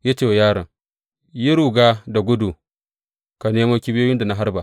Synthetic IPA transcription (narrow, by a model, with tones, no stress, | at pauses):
ja˦t͡ʃe˦˨wjaː˦ɾɐ˨ŋ | ji˦ɾu˨ɡa˦da˨ɡʊ˦du˨ | ka˨neː˦ma˦kʲi˦bi˦joː˦jɪ˦nda˨na˨ɦa˦ɾba˨